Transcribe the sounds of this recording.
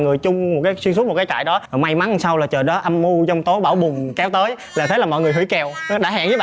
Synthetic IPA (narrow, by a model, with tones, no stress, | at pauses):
ŋɨ˨˩əjt͡ɕʊ˧ŋ͡mm˨˩t̚kaː˨˦jswi˧ŋsu˦˥t̚o˨˩t̚kːt͡ɕa̰ː˧˨jɗɔ˨˦˨ma˧jma˨˦n˨sa˧wlaː˨˩t͡ɕəː˨˩ɗɔ˨˦ʔa˧mːu˧t͡ɕɔ˧wŋ͡mt̪o˨˦ɓaː˧˩wɓʊ˨˩ŋ͡mkɛ˨˦wt̪əː˨˦j | laː˨˩t̪ʰə˨˦jlaː˨˩mɔ̰˧˨jŋɨ˨˩əɦwḭ˧˥˦jkɛ˧˩wɗa̰ː˧˥ha̰ː˧˨ŋzəː˨˦ɓaː˧